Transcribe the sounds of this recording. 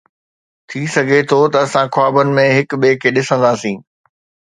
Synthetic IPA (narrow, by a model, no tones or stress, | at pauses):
t̪ʰisɐɡʱet̪ʰot̪ɐɐsãkwaːbənɪ̆mẽɦɪkɓeːkʰeɗɪsə̃nd̪aːsĩː